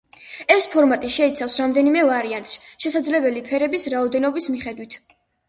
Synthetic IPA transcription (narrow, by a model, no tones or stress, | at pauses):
ɛspʰɔɾmat̪ʼiʃɛit̪sʰafsɾamd̪ɛnimɛvaɾiant̪ʼsʃɛsad̪zlɛbɛlipʰɛɾɛbisɾaɔd̪ɛnɔbismiχɛd̪wit̪ʰ